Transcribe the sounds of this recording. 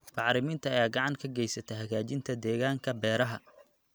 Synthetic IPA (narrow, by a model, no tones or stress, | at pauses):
fɑʕɾɪmɪnt̪ʰɐɐjaːɡɑʕɑŋkʰɐɡɛjsɐt̪ʰɛɦɐɣaːt͡ʃɪnt̪ʰɐd̪ɛːɣaːŋkʰɐbɛːɾɐɦɐ